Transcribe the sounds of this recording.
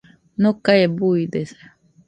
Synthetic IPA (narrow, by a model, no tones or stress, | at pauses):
nokaebuid̪esḁ